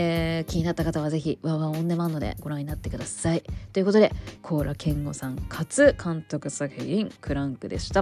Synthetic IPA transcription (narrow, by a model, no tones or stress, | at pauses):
kʲiɲ̟inat̪ːakat̪aβ̞aze̞çiβaβãõnd̪e̞manːo̞d̪e̞̰ɡ̥o̞ɾãɲːinat̪ːe̞kɯ̟d̪asait̪o̞jɯ̟ko̞t̪o̞d̪e̞kʰo̞ːɾakʰẽ̞ŋɡo̞sãŋkʰat͡sɨkʰãnt̪o̞kɯ̟sakeĩŋkʰɯ̟ɾãŋkɯ̟d̪e̞̰ɕi̥t̪a